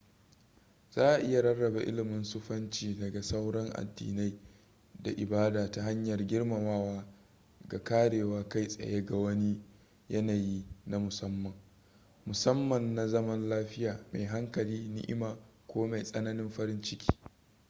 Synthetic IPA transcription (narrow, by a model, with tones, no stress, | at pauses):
z̥aː˦ʔa˨ʔɪ˦ja˨ɾɐ˦rːɐ˨ba˨ʔɪ̰˦lɪ˨mʊ˦nsʊ˦ɸɐ˦nt͡ʃiː˦˨dɐ˨ɡa˨sa˦wɽɐ˦ŋʔa̰˨dːḭː˨na˦j | da˨ʔɪ˨baː˦daː˨ta˦ɦa˦ɲjɐ˨rɡʲɪ˦ɽma˨maː˦waː˦ | ɡa˨kaː˦ɽeː˨waː˦ka˦jsʼɐ̰˨je˦ɡa˨wɐ˦ni˦ | jɐ˦naː˨ji˦na˦mʊ˨sɐ˦mːɐ˨ŋ | mʊ˨sɐ˦mːɐ˨nːa˨zɐ˦mɐ˦nlaː˦ɸɪ˦jaː˨ma˨jɦa˦ŋkɐ˨liː˦nɪ̰˦ʔɪ̰˦maː˨kʷoː˦ma˨jsʼɐ˦nɐ˦nɪ˦mɸɐ˦ɾɪ˦nt͡ʃɪ˦kʲi̥ː˦